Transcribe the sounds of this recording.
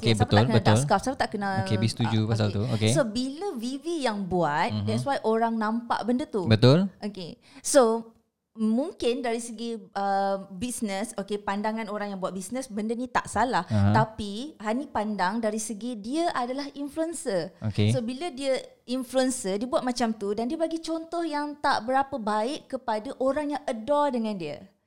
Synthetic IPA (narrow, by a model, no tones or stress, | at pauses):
okebsaətpaʊalkəbət̪ʊlskafsapat̪aʔkənaokebist̪ud͡ʒupas̬alt̪uo̰kesobiləvivijaŋbuat̪dɛswajʔoɾaŋnãmpa̰ʔbəndət̪ubət̪ʊlʔoke | so | mũŋkɪndaɾisəɡiəbisnəsokepandaŋãnoɾaŋjaŋbuat̪̚bisnəsbəndənĩt̪a̰ʔsalaht̪apihanĩpandaŋdaɾisəɡidiəʔadalahinfluənsəokesobilədiə | influənsədiəbuat̪̚mat͡ʃamt̪udandiəbaɡit͡ʃont̪ɔhjaŋt̪a̰ʔbəɾapəbaɪʔkːəpadaʔoɾaŋjaŋədɔdəŋãndiə̰